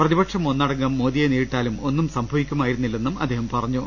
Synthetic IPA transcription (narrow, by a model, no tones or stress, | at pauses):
prɐðibɐkʂɐmo̞nːɐɽɐŋɡɐmːoːd̪ijeniːɻʈːaːlumo̞nːumsɐmbʱɐʋikʲːumaːjiɾunːilːe̞nːumɐ̰d̪ːeːhɐmpɐrɐɲːu